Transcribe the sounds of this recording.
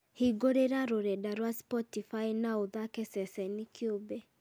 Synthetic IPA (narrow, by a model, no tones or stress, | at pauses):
hiɡoɾeɾaɾoɾɛdaɾwaspɔtifainaoðakɛsɛsɛnikʰjobɛ